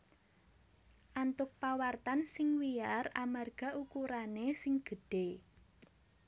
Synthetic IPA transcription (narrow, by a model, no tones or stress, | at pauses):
ʔant̪ʊk̚pawart̪ansɪŋwiaramarɡ̥a̤ʔukuɾanesɪŋɡ̥ə̤ɖ̥e